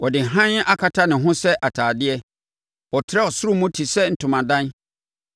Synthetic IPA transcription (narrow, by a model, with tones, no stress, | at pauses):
ʔɔ˨dɪ˨ɦã˦n˦ʔa˦kʰa˨tʰa˦nɪ̃˨ɦʊ̃˦sɛ˦ʔa˨tʰaː˨dɪ˦ɛ˦ | wɔ˨tʰɪ˦ɾɛ˦ɔ˨sʊ˦ɾʊ˦mũ˦tʰi˨sɛ˦n̩˨tʰʊ̃˨mã˨dã˦n